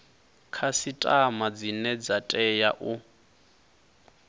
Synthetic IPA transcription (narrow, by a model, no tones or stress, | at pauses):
kʰasitʼamad͡zinɛd͡zatʼɛjaʔu